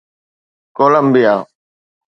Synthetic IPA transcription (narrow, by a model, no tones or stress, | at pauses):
koːləmbijaː